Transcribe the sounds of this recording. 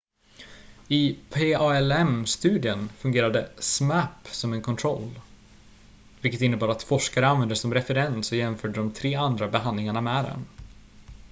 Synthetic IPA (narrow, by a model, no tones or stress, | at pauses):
ɪpʰeːɑɛlɛmst̪ʉ̟ːd̪ɪənfɵŋɡeːɾad̪əsmæpːsɔmɛnkʰɔnt̪ʰɾɔ̰l | vɪlkːət̪ɪnːəbɑːɾat̪fɔʂkaɾəanvɛnd̪əsɔmɾɛfɛɾɛnsɔjɛmfœːɖəɖɔmt̪ʰɾeːand̪ɾabɛɦand̪lɪŋaɳamɛd̪ɛ̰n